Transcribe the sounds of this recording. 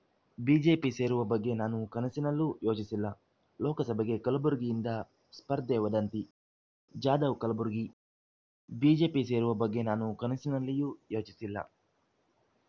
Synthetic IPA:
biːd͡ʒe̞ːpiːse̞ːɾuʋɐbɐɡːe̞ːnaːnukɐnɐsinɐlːujo̞ːt͡ʃisilːaː | lɔːkɐsɐbɐɡe̞ːkɐlɐbuɾɡijind̪a | spɐɾd̪ɛːʋɐd̪ɐnt̪i | d͡ʒaːd̪ɐʋkɐlɐbuɾɡi | biːd͡ʒe̞ːpiːse̞ːɾuʋɐbɐɡːe̞ːnaːnukɐnɐsinɐlːijujo̞ːt͡ʃisilːa̰ː

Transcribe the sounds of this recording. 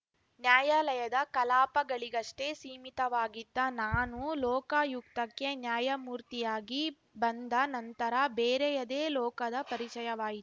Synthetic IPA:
njaːjaːlɐjɐd̪ɐkɐlaːpɐɡɐɭiɡɐʂʈesiːmit̪ɐʋaːɡid̪ːɐnaːnulɔːkɐjuk̚t̪ɐkːe̞njaːjɐmuːɾt̪ijaːɡi | bɐnd̪ɐnɐnt̪ɐɾɐbeːɾejɐd̪eːlɔːkɐd̪ɐpɐɾit͡ʃɐjɐʋaːji

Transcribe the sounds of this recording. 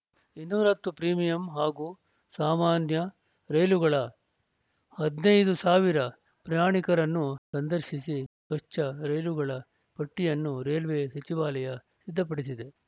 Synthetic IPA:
inːuːɾɐt̪ːupɾiːmijɐmɦaːɡuː | saːmaːnjɐ | ɾɐjluɡɐɭɐ | hɐd̪nɐjd̪usaːʋiɾɐ | pɾɐjaːɳikɐɾɐnːusɐnd̪ɐɾʃisisʋɐʂt͡ʃɐɾɐjluɡɐɭɐ | pɐʈːijɐnːuɾeːlʋesɐt͡ʃiʋaːlɐjɐ | sid̪ʱːɐp̬ɐɽis̬id̪e̞

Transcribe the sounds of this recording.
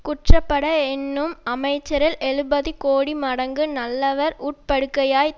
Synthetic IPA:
kʊʈrɐpːɐɽɐɛnːɯmɐmɐɪt͡ʃːɐɾɪlɛɻɯbɐðikoːɽimɐɽɐŋɡɯnɐlːɐʋɐɾuːʈ̚pɐɽɯkːɐjaːj

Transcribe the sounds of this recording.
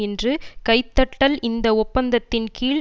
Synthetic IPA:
ɪndrɯkɐɪt̪ːɐʈːɐlɪnd̪ɐɔpːɐnd̪ɐt̪ːɪnkiːɭ

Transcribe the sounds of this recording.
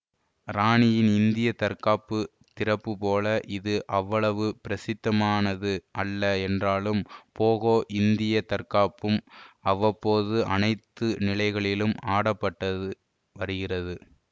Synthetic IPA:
ɾaːɳɪjɪnɪnd̪ɪjɐt̪ɐɾkaːpːɯ | t̪ɪrɐpːɯpoːlɐʔɪðɯʔɐʋːɐɭɐʋɯpɪɾɐsɪt̪ːɐmaːnɐðɯʔɐlːɐɛndraːlɯmpoːɣoːʔɪnd̪ɪjɐt̪ɐɾkaːpːɯmɐʋɐpːoːðɯʔɐ̰nɐɪt̪ːɯnɪlɐɪɣɐɭɪlɯmaːɽɐpːɐʈːɐðɯ | ʋɐɾɯɣɪrɐðɯ

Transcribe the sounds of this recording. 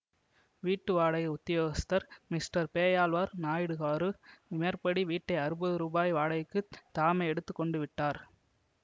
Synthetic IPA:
ʋiːʈːɯʋaːɽɐjʊt̪ːɪjoːɣɐst̪ɐɾmɪsʈɐɾpeːjaːlʋaːɾnaːjɪɽɯɣaːɾɯɪmeɾpɐɽiʋiːʈːɐɪɐɾɯbɐðɯɾuːbaːjʋaːɽɐjkːɯt̪aːmɐɛɽɯt̪ːɯkːɔɳɖɯʋɪʈːaːɾ

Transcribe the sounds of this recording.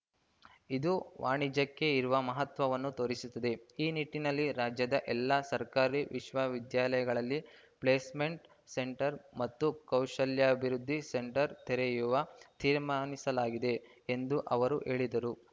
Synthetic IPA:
id̪uʋʔa̰ːɳid͡ʒɐkːe̞iɾuʋɐmɐɦɐt̪ʋɐʋɐnːut̪o̞ːɾisut̪ːɐd̪e̞iːniʈːinɐlːiɾaːd͡ʒjɐd̪ɐʔɛlːasɐɾkaːɾiʋʔiʃʋɐʋid̪jaːlɐjɐɡɐɭɐlːi | pɭeːsme̞ɳʈ | se̞ɳʈɐɾmɐt̪ːukɐwʃɐljɐɐbʱiɾud̪ʱːise̞ɳʈɐɾt̪eɾejuʋɐt̪iːɾmaːnisɐlaːɡid̪e̞end̪uʔɐʋɐɾuʔe̞ːɭid̪ɐɾu

